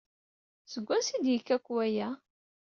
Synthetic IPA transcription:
səɡʷːæsid̪jəkːækʷːwæjæ

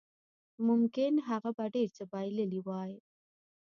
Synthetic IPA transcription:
mʊmkɪnɦaɣabaɖeɾt͡ʃabɑjləliwɑj

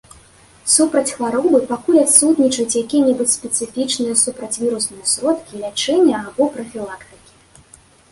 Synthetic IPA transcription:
supɾɐt͡sʲxvaɾɔbɨpakulʲat̪sut̪nʲit͡ʂɐjut͡sʲjakʲijɛnʲɛbut͡sʲspʲɛt̪sɨfʲit͡ʂnɨjɐsupɾɐt͡sʲvʲiɾusnɨjɐsɾɔt̪kʲilʲat͡ʂɛnʲːɐabɔpɾɐfʲilˠakt̪ɨ̥kʲi̥

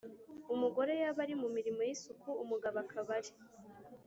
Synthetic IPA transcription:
umuɡo̞ɾe̞jaβaɾimumiɾimo̞jisukʰuːmuɡaβakʰaβaɾi

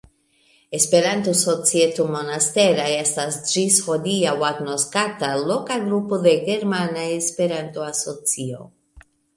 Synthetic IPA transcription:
espeɾant̪usot͡sjet̪umonast̪eɾaeest̪asd͡ʒisfod̪iawat̪noskat̪alokaɡɾupuðeɣeɾmanaespeɾant̪uasot͡sio̰

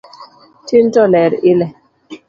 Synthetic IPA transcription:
tin̩tɔlɛɾilɛ

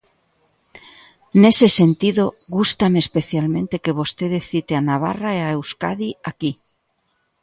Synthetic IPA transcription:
ne̞se̞se̞nt̪iðo̞ɣust̪ameːspe̞θjalmẽ̞nt̪e̞ke̞β̞o̞st̪eðeθit̪eanaβ̞a̰raeaewskaðiaki

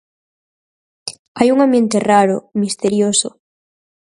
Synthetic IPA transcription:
ajuŋãmbje̞nt̪eraɾo̰mist̪eɾjoso̰

